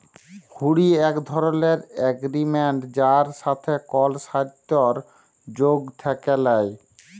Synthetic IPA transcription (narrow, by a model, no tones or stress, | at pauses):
huɽiɛkd̪ʱɔɾoneɾɛɡɾimeɳʈd͡ʑaɾʃat̪ʰekɔlʃad̪oɾ | d͡ʑoɡt̪ʰɛkelaj